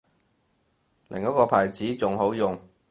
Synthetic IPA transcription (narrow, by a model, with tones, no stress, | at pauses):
lɪ˨ŋkɔ˨˥kɔː˧pʰaː˨˩jt͡siː˨˥t͡sʊ˨ŋɦo˨˥wjʊ˨ŋ